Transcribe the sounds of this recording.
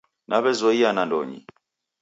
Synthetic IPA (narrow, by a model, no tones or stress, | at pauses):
nʔaβɛzɔianandɔɲḭ